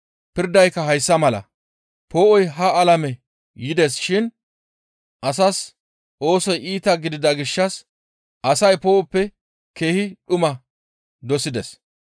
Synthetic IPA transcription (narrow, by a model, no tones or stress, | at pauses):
pɪɾd̪ɐjkːɐɦɐjsːɐmɐlɐ̰ | po̞ːʔɔjɦɐɐlɐmɛ | jɪd̪esʃɪn | ʔɐsɐs | ʔo̞ːsɔjiːt̪ɐɡɪd̪ɪd̪ɐɡɪʃːɐs | ʔɐsɐjpo̞ːʔɔpːɛ | ke̞ːhɪɗʊmɐ | d̪ɔsɪd̪ɛs